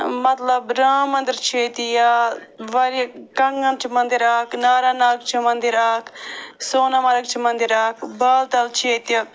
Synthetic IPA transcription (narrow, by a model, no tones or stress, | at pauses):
mɐt̪lɐbɾaːmɐ̃nd̪iɾt͡ʃʰeːt̪ijaː | ʋɐɾkɐŋɡɐnt͡ʃʰimɐnd̪iɾaːknaːɾaːnaːk̚t͡ʃʰimɐnd̪iɾaːkʰsoːnamɐɾɐkt͡ʃʰimɐnd̪iɾaːkʰbɐlt̪ɐlt͡ʃʰeːt̪jɐk